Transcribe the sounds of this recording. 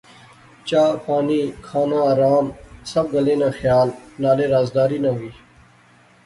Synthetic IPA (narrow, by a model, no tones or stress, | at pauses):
t͡ʃaːpaːniːkʰaːnãaːɾaːmsɐb̚ɡəlẽːnaːxjaːlnaːleːɾaːzd̪aːɾiːnaɦuiː